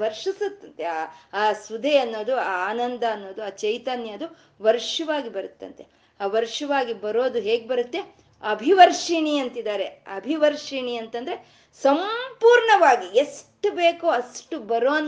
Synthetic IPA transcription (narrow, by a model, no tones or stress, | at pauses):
ʋɐɾʂisut̪ːɐnt̪eaːaːsud̪ʱeɐnːo̞ːd̪uaːaːnɐnd̪ɐːnːo̞ːd̪uaːt͡ʃɐjt̪ɐnjɐɐd̪u | ʋɐɾʂɐʋaːɡibɐɾut̪ːɐ̰nt̪e | aːʋɐɾʂuʋaːɡibɐɾoːd̪uɦeːɡebɐɾut̪ːe̞ | ɐbʱiʋɐɾʂiɳiɐnt̪id̪aːɾe̞ɐ̰bʱiʋɐɾʂiɳiɐnt̪ɐnd̪ɐɾe̞ | sɐmpuːɾɳɐʋaːɡiesʈubeːkoːɐsʈubɐɾoːn